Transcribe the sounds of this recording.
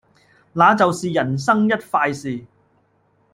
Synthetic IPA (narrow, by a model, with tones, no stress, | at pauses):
laː˨˧t͡sɐ˨wsiː˨jɐ˨˩ns̬ɐ˥ŋjɐ˥t̚faː˧jsiː˨